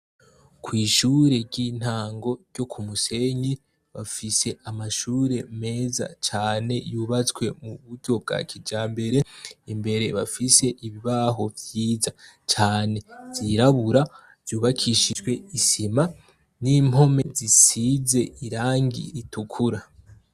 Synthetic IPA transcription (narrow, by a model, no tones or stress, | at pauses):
kʰwiːʃuːɾe̞ɾɟin̥haːŋɡo̞ɾɟo̞kʰumuse̞ɲi | βafise̞amaʃuːɾe̞me̞ːza̰t͡ʃaːne̞juːβat͡swe̞muβuɟo̞b̚ɡa̰kʰid͡ʒaːmbe̞ɾe̞imbe̞ɾe̞βafise̞ʔiβiβaɦo̞vjiːzat͡ʃaːne̞z̥iɾaβuɾa | v̥juːβakʰiʃid͡ʒwe̞isima | nimho̞me̞zisize̞ʔiɾaːŋɡḭɾitukʰuɾa